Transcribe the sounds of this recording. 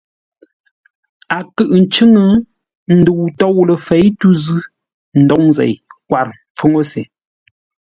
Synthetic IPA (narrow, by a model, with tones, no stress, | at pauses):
a˨kɨ˦˨ʔn̩˨t͡ʃɨ˦ŋə˦ | n̩˦də˨wtɔ˦˨wlə˨fe˨˦jtu˦zʉ˦ | n̩˨dɔ˨˦ŋzɛ̰˨jkwa˨ɾmp͡fo˦ŋo˦se˨